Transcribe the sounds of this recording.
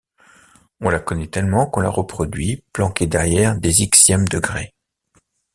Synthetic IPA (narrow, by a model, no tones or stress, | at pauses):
ɔ̃lakɔnɛt̪ɛlmɑ̃kɔ̃la̰ʁəpχɔd̪ɥiplɑ̃kʲed̪ɛʁjɛʁd̪eziksjɛmd̪əɡʁe